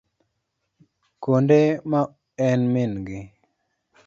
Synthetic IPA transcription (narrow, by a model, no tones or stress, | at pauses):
kondema | ɛnmɪnɡɪ